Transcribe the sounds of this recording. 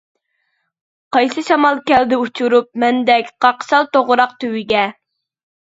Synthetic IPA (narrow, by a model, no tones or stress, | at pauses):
qʰɑjsɨʃɑmɑlˠkʲɛld̪ɪut͡ʃʰuɾup̚mɛnd̪ɛkʲqʰɑqʃɑlˠt̪oʁʊɾɑqt̪ʰywɪɡʲɛ